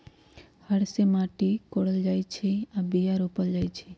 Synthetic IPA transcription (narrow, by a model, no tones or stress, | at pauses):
həɽsemãːʈikoɽəld͡ʒajt͡ʃʰiabijaɾopəld͡ʒaːjt͡ʃʰi